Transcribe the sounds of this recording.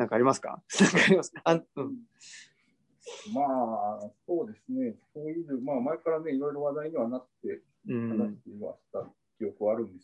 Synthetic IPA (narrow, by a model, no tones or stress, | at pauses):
nãŋkaːɾʲimasɨ̥ka̰nãŋkaɾʲimasɨ̥kaaɯ̃ | maːso̞ːd̪e̞sɨne̞ | oiɾɯmaːmae̞kaɾane̞iɾoiɾɯβad̪aiɲ̟iβanat̪ẽ̞ | haasɨ̥t̪ːeβa̰ɕi̥t̪a | kʲijo̞kɯ̟βaːɾɯ̟̃nd̪e̞s